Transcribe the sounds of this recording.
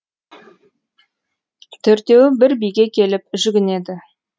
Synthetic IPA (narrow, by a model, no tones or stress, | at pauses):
t̪ʰɵɾt̪e̞wɪbɪɾbijɡʲe̞kʲʰe̞lɪp̚ʒʏɡʲɪne̞d̪ɪ